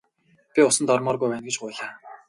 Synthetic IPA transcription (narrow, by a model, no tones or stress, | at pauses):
pʲiʊsə̆nt̪ɔrmɔːrɣujpæːnɡet͡ɕɢʊːɮaː